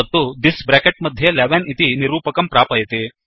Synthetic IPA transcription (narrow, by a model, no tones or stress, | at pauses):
ɐt̪ːud̪isbɾaːkeʈ̚mɐd̪ʱjeleʋenit̪iniɾuːpɐkɐmpɾaːpɐjt̪e